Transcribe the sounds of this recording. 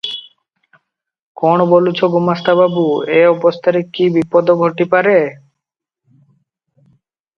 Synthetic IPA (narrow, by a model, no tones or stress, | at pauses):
konobolut͡ɕʰoɡumast̪ʰababueɔbost̪ʰaɾikːibipod̪oɡʱoʈipaɾe